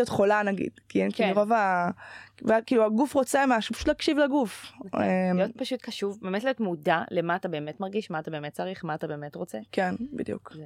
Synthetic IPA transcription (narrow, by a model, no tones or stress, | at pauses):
jotχolanaɡḭd̥kiɛnkːluʁova | veakiːluaɡufʁot͡semaʃu̥pḁʃu̥tlakʃivlaɡufemijot̚paʃutkaʃuvbemetlijo̞tmudale̞maːtabe̞ːmetmaʁɡiʃmaːtabe̞ːmet̚t͡saʁiχmaːtabe̞ːmetʁot͡sekenbḭd̪jṵkze